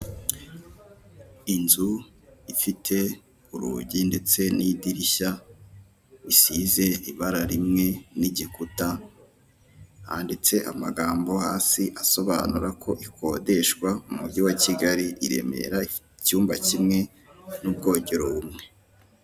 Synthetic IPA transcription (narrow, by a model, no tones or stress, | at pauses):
inzu | ifitʰe̞ | uɾṵɟinde̞t͡senʔidiɾiʃa | βisize̞iβaɾaɾimŋe̞niɟikuta | ha̰ndet͡se̞ʔa̰maɡaːmbo̞haːsiʔaso̞βa̰nuɾakʰo̞ʔikʰo̞de̞ʃkwaumuɡɟiwaciɡaɾiʔiɾe̞̰me̞̰ɾai | cuːmba̰cimŋe̞ | nub̚ɡo̞ːɟeɾoβumŋe̞